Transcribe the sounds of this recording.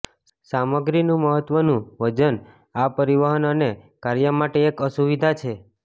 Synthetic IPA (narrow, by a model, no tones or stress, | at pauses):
saməɡɾinũməɦət̪ʋənũʋəd͡ʒən | apəɾiʋaɦənənekaɾjəmaʈeːkəsuʋid̪ʱat͡ʃʰe